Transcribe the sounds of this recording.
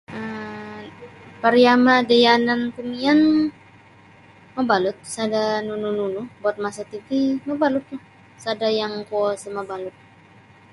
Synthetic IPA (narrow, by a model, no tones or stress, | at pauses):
ə | paɾiamadajanankumian | mabalʊt̪̚sadanunununubuat̪̚masat̪ipiməbalʊt̪ːʊh | sadajaŋkuɔsəmabalʊt̪̚